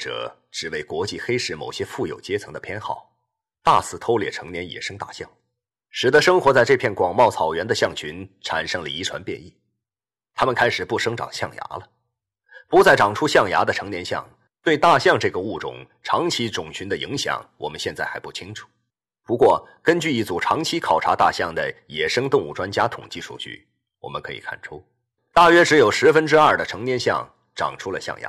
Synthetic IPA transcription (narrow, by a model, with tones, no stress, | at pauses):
ʈ͡ʂɤ̰˨˩ | ʈ͡ʂɻ̩˨˩we˥˩ɪkwɔ˧˥t͡ɕi˥˩xe˥ɪʂɻ̩˥˩mo̰˨˩ʊɕjɛ˥fu˥˩jo˨˩ʊt͡ɕjɛ˥t͡sʰɤ˧˥ŋd̪ə˧pʰjɛ˥nxɑ˥˩ʊ | t̪a̰˥˧sɹ̩˥˩t̪ʰo˥ʊljɛ̰˨˩ʈ͡ʂʰɤ˧˥ŋnjɛ˧˥njɛ̰˨˩ʂɤ˥ŋt̪a̰˥˧ɕjɑ̰˥˩ŋ | ʂɻ̩˨˩t̪ə˧˥ʂɤ˥ŋxwɔ˧˥t͡sa˥˧ɪʈ͡ʂɤ˥˧pʰjɛ˥˩nkwɑ˨˩ŋmɑ˥˩ʊt͡sʰɑ˨˩ʊɥɛ˧˥nd̪ə˧ɕjɑ˥˩ŋt͡ɕʰy˧˥nʈ͡ʂʰa̰˨˩nʂɤ˥ŋlə̰˨˩i˧˥ʈ͡ʂʰwa˧˥npjɛ̰˥˧ni˥˩ | t̪ʰa˥mə˨nkʰa˥ɪʂɻ̩˨˩pu˥˩ʂɤ˥ŋʈ͡ʂɑ̰˨˩ŋɕjɑ˥˩ŋja̰˧˥lə˨ | pu˧˥t͡sa˥˩ɪʈ͡ʂɑ˨˩ŋʈ͡ʂʰu˥ɕjɑ˥˩ŋja̰˧˥d̪ə˧ʈ͡ʂʰɤ˧˥ŋnjɛ˧˥nɕjɑ̰˥˧˩ŋ | t̪we˥˧ɪt̪a˥˧ɕjɑ˥˧ŋʈ͡ʂɤ˥˩ɡə˩u˥˩ʈ͡ʂʊ̰˨˩˦ŋ | ʈ͡ʂʰɑ˧˥ŋt͡ɕʰi˥ʈ͡ʂʊ˨˩ŋɕy˧˥nd̪ə˧˨ḭ˧˥ŋɕjɑ̰˨˩˦ŋwɔ̰˨˩mə˦nɕjɛ˥˧nt͡sa˥˩ɪxa˧˥ɪpu˥˩t͡ɕʰi˥ŋʈ͡ʂʰu̥˨˩˦ | pu˧˥kwɔ˥˩kə˥nt͡ɕy˥˧i˥˩t͡su˨˩ʈ͡ʂʰɑ˧˥ŋt͡ɕʰi˥kʰɑ˨˩ʊʈ͡ʂʰa˧˥t̪a̰˥˧ɕjɑ˥˩ŋd̪ə˩jɛ˨˩ʂɤ˥ŋt̪ʊ˥˧ŋu˥˩ʈ͡ʂwa˥nt͡ɕja˥t̪ʰʊ̰˨˩ŋt͡ɕi˥ʂʰṵ˥˧t͡ɕy̰˥˩ | wɔ̰˨˩mə̰˦nkʰɤ˧˥ḭ˨˩kʰa̰˥˩nʈ͡ʂʰu˥ | t̪a˥˩ɥɛ˥ʈ͡ʂɻ̩˧˥jo˨˩ʊʂɻ̩˧˥fə˥nʈ͡ʂɻ̩˥ɐ˞˥˩d̪ə˩ʈ͡ʂʰɤ˧˥ŋnjɛ˧˥nɕjɑ̰˥˩ŋ | ʈ͡ʂɑ̰˨˩ŋʈ͡ʂʰu˥lə̰˨ɕjɑ̰˥˩ŋja̰˧˥